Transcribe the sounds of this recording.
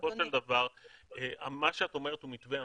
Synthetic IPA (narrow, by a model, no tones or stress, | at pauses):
oʃeld̪avaʁea̰maʃeato̞meʁ̞et̪umit̪vea